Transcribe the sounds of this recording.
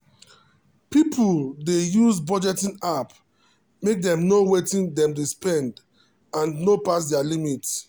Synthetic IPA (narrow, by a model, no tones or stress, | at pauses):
pipʰuldejuzbɔd͡ʒɛtĩnap | mek̚dɛ̃mnowetĩndɛ̃mduspɛ̃nd | ãnnopas̬dɛalimits